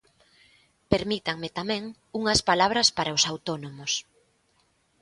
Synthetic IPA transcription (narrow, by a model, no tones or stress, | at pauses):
peɾmit̪aŋmɪt̪amɛ̃ŋ | uŋɐspalaβɾɐspaɾaʊsawt̪onomʊs